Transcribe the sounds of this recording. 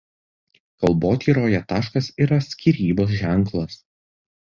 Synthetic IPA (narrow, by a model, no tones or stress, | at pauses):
kɐlˠboːt̪ʲiːɾoːjɛt̪ɑːʃkɐsiːɾɐsʲkʲiːˑɾʲiːboːs̬ʒʲæˑŋˑklˠɐs